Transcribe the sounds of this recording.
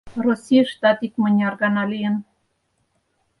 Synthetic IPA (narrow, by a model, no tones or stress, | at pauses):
rosʲijəʃt̪ɑt̪ikmə̆nʲɑrɣɑnɑlʲijən